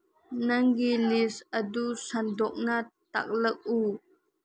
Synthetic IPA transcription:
nɐŋɡilisədusɐndɔk̚nat̪ɐ̰k̚lək̚ʔu

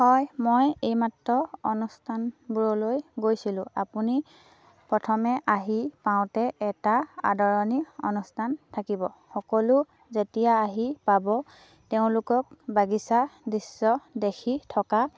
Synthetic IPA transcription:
hɔjmojejmatɹɔɔnustʰanbuɹɔlojɡojsilʊ̃a̰puni | pɹɔtʰɔmɛʔaɦipaʊ̃tɛɛtaa̰dɔɹɔniɔ̰nustʰantʰakibɔxɔkɔlʊ | zetijaːɦipabɔ | teʊ̃lʊkɔk̚baɡisadisːɔdexʰitʰɔka

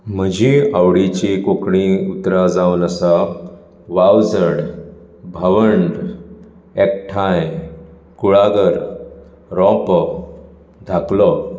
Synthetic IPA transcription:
m̤əd͡ʑiawɽit͡ɕikokɳĩut̪ɾad͡zawnəsa | ʋawd͡zəɽ | bʱəʋəɳɖ | ek̚ʈʰaj | kuɭaɡəɾ | ɾɔ̃p | d̪ʱaklɔ

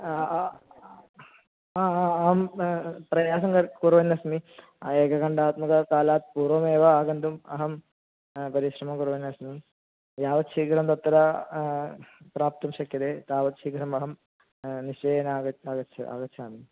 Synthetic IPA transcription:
aːaːɐɦɐmprɐjaːsɐmkɐɾkurʋɐnːɐsmi | eːkɐkɐɳɖaːt̪mɐkɐkaːlaːt̪̚puːrʋɐmeːʋɐaːɡɐnd̪umɐɦɐm | pɐɾiɕrɐmɐmkurʋɐnɐsmi | jaːʋɐt̪ɕiːkɐɾɐmt̪ɐt̪ːɐɾɐ | praːp̚t̪ɐmɕɐkjɐðet̪aːʋɐt̪ʃiːkɐɾɐmɐɦɐm | niɕeːjɐnaːɡɐaːɡɐt͡ɕʰːɐa̰ːɡɐt͡ɕʰaːmi

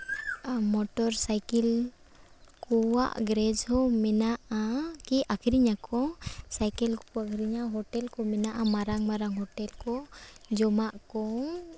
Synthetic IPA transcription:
mɔʈɔɾsajkɛl | kɔwa̰ʔɡɾɛd͡ʒhɔmɛnaʔakiakʰɾiɲakɔsajkɛlɔakʰɾiɲaɦɔʈɛlkɔmɛnaʔamaɾaŋmaɾaŋɦɔʈɛlkɔd͡ʒɔmaʔkɔŋ

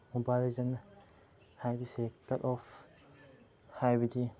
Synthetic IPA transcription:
mubalezɐn | hajbisekːɐtɔf | hajbid̪i

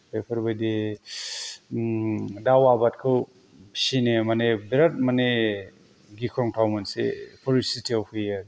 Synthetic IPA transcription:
pepʰɯɾbajde | dawabat̚kʰɯw | sinemanebeɾat̚mane | ɡikʰɾɔŋtʰawmansḛpʰɔɾisitʰiawpʰɯjaɾ

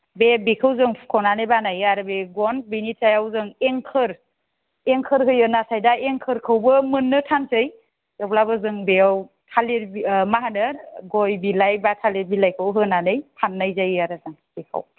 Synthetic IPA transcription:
bebikʰɯwzɯŋkʰɔnanɯjbanajaɾbeɡɔnbinitsʰajawzɯŋeŋkʰɯɾ | eŋkʰɯɾɦɯjɯnasajdaʔeŋkʰɯɾkʰɯwbɯmɯnːɯtʰansɯj | jɔplabɯzɯŋbeaw | tʰaliɾmaɦanɯɾɡɔjbilajbatʰaleɾbilajkʰɯwɦɯnanɯjtʰanːajzajaɾɯzaŋbikʰa̰w

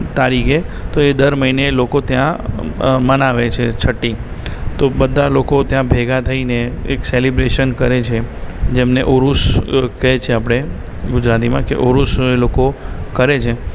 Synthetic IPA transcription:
t̪aɾikʰet̪oed̪əɾməinelokot̪jã | mənaʋet͡ʃʰet͡ʃʰəʈːi | t̪obəd̪ʱːalokot̪jãbʱeɡat̪ʰəineḛkselibɾeʃənkəɾet͡ʃʰed͡ʒemneʔoɾuskəjt͡ʃʰeapɽ̃e | ɡʊd͡ʒɾat̪imãkḛʔoɾuselokokəɾet͡ʃʰe

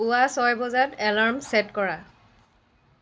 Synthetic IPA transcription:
uasɔjbɔzatɛlaɹmsɛtkɔɹa

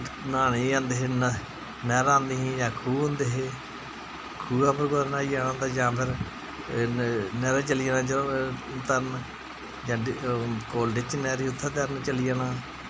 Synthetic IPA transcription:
naːneːãːnd̪eːɦeːn | nɛːɾãːnd̪eːɦĩːd͡ʒãːkʰuːɦõnd̪eːɦeː | kʰuːapʰəɾkod̪naːiːaːnãːnd̪aːd͡ʒãːpʰɪɾ | nɛːɾeːt͡ʃəliːaːnãːd͡ʒt̪əɾn | d͡ʒãːkoːlɖɪt͡ʃnɛːɾiːʊt̪ʰːət̪əɾnt͡ʃəliːaːnaː

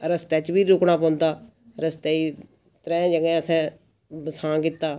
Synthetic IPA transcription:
əɾəst̪ɛːt͡ʃbiːɾʊːkɽaːp̬ɔ̃ːnd̪aː | ɾəst̪ɛːiː | t̪ɾɛ̃ːd͡ʒəɡɛ̃ːəsɛ̃ː | bəsãːkɪt̪ːaː

